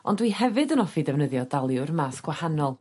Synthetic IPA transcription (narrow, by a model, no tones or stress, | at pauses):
ɔ̰ndwihɛvɨdənɔfidɛvnəðjɔdalˠjʊrmaːsɡ̥wahanɔlˠ